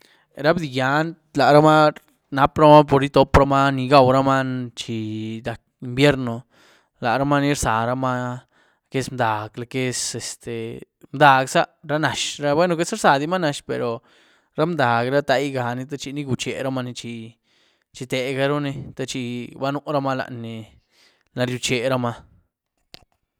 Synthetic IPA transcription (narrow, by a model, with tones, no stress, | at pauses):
ɾa˦bd̪i˧ja˨˧˦n | la˨ɾa˦ma˦ | na˦pɾa˦ma˦po˧ɾi˦t̪o˧pɾa˦ma˦ni˧ɡa˧wɾa˦ma˦nt͡ʃi˧d̪a˨k̚ | i˧mbje˦ɾno˧ | la˨ʔɾa˦ma˦ni˧ɾsa̰˨ɾa˧ma˦ | ke˦˧smd̪a˨ɡla˧ke˧se˧st̪e˨ | md̪a˧ksa˦ɾa˦na˨ʃɾa˦bwʷe˦no˧ke˦sɾsa˨d̪i˧ma˦na˧ʃpḛ˨ɾo˨ | ɾa˦md̪a˨ɡɾa˦t̪a˧jɡa˧ni˧t̪̬a˦t͡ʃi˧ni˦ɡu˧t͡ʃe˨ɾa˦ma˧ni˧t͡ʃi˧ | t͡ʃi˧t̪e˨ɡa˧ɾo˦ni˧t̪a˧t͡ʃi˧ba˦nu˧ʔɾa˦ma˦la̰˨ʔni˧ | na˧ɾju˧t͡ʃe˧˨ɾa˦ma˧